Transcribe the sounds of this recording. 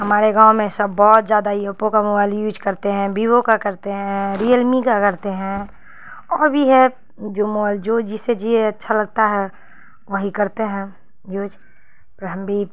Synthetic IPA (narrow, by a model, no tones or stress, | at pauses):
ɦɐmaːɾeɡãːʊmẽsɐbːɔːt̪zjaːd̪aiəpːõkamoaɪljuːd͡ʒkɐɾt̪eɦɛ̃bʱiːwõkakəɾt̪eɦɛ̃ɾijəlmikakɐɾt̪eɦɛ̃ | ɔːɾbʱiɦɛ̃ | d͡ʒoːmoald͡ʒoːd͡ʒɪsed͡ʒieɐtːʃʰalɐɡ̚t̪aɦɛ | ʋəɦikɐɾt̪eɦɛ̃ | juːd͡ʒ | pəɾɦəmbʱi